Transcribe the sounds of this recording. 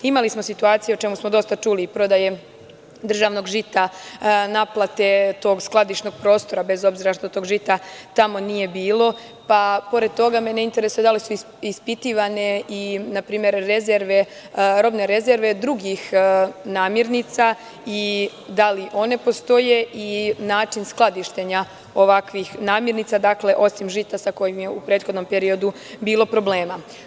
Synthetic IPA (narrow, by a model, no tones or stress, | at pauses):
imalismo̞sit̪uaːt̪sijeot͡ʃe̞musmod̪o̞st̪at͡ʃuliːpɾo̞d̪aje̞ | d̪r̩ʒaʋno̞ɡʒit̪anaplˠat̪e̞t̪o̞ːɡsklˠad̪iʃno̞ɡ̥pɾo̞ːst̪o̞ɾabe̞zo̞bziɾaʃt̪ot̪o̞ɡʒit̪at̪amo̞nije̞biːlˠo̞ | papo̞ɾe̞d̪̚t̪o̞ɡamneint̪eɾesujed̪alisu | ispit̪iʋane̞inapɾiːme̞ɾːe̞ze̞ɾʋe̞ | ɾo̞bne̞ɾe̞ze̞ɾʋe̞d̪ɾuɡixnaːmjeɾnit̪sa | i | d̪aliʔo̞ne̞po̞st̪o̞je̞inaːt͡ʃinsklˠad̪iʃt̪e̞ɲa | oʋakʋixnaːmjeɾnit̪sad̪akle̞ʔo̞simʒit̪asako̞jimjeupɾe̞ːt̪xod̪nompe̞ɾio̞d̪u | biːlo̞pɾo̞ble̞ːma